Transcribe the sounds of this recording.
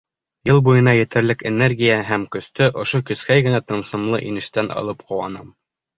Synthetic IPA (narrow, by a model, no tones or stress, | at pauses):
jɤlˠbujɤ̆nɑjɘ̆t̪ɘ̆ɾlɘkenerɡʲijæɦæmkɵ̆st̪ɵʔŏʃokɵ̆skæjɡɘ̆næt̪ɤ̆nsɤ̆mlˠɤ̰ʔinɘ̆ʃt̪ænʔɑ̰lˠɤpqʰɤ̆wɑ̰nɤm